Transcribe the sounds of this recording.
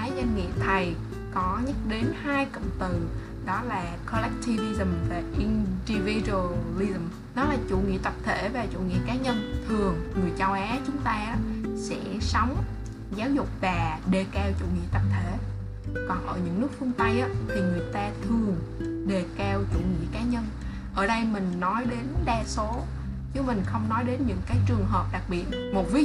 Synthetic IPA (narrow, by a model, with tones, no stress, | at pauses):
aː˨˦jzə˧nŋḭ˧˨ət̪ʰə˨˩j | kɔ˨˦ɲə˦˥t̚ɗe˨˦nhaː˧jkə̰˧˨wŋ͡mt̪ɨ˨˩ | ɗɔ˨˦laː˨˩kʰɔ˧lɛ˦˥k̚ti˧vi˧zə˨˩mvaː˨˩ʔi˧nɗi˧vi˧ɗə˧lːi˧zə˨˩m | ɗɔ˨˦laː˨˩t͡ɕṵ˧˩ŋḭ˧˨t̪ə˨˩p̚t̪ʰe˧˩vaː˨˩t͡ɕṵ˧˥ŋḭ˧˨kaː˨˦ɲə˧nt̪ʰɨ˨˩əŋŋɨ˨˩əjt͡ɕa˧wʔaː˨˦t͡ɕʊ˨˦ŋ͡mt̪aː˧ʔaː˨˦sɛ̰˧˥sɔ˨˦wŋ͡m | zaː˨˦wzʊ˨˩k͡p̚vaː˨˩ɗe˨˩kɛ˧wt͡ɕṵ˧˨ŋḭ˧˨t̪ə˨˩p̚t̪ʰe˧˩ | kɔ˨˩nʔəː˧˩ɲɨ̰˧˥ŋnɨ˦˥k̚fɨ˧əŋt̪ə˧jʔaː˨˦t̪ʰi˨˩ŋɨ˨˩əjt̪aː˧t̪ʰɨ˨˩əŋɗe˨˩kɛ˧wt͡ɕṵ˧˩ŋḭ˧˨kaː˨˦ɲə˧n | ʔəː˧˩ɗə˧jmï˨˩ŋ̟nɔ˨˦jɗe˨˦nɗaː˧so˨˦ | t͡ɕɨ˨˦mï˨˩ŋ̟xə˧wŋ͡mnɔ˨˦jɗe˨˦nɲɨ̰˧˥ŋkaː˨˦jt͡ɕɨ˨˩əŋɦəː˨˩p̚ɗa˨˩k̚ɓi˨˩ət̚ | mo˨˩t̚vi˨˦